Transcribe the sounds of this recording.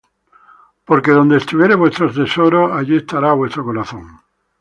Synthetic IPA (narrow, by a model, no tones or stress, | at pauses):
po̞ɾke̞ðo̞nd̪est̪uβjeɾeβwe̞st̪ɾot̪esoɾoaʎiest̪aɾaβwe̞st̪ɾo̞koɾaθõ̞ŋ